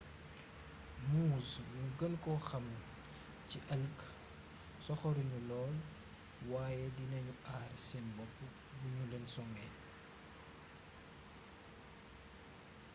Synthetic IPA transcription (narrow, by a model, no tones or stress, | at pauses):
muːznuɡənkɔxɐm | ciʔɐlk | sɔxɔɾuɲulɔːl | waːjɛdinɐɲuʔaːrsɛnbɔpː | buɲulɛnsɔŋɡɛn